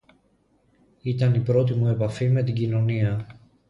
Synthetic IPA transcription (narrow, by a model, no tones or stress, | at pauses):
it̪ɐnipɾo̞t̪̬imue̞pɐfime̞t̪iɟino̞niɐ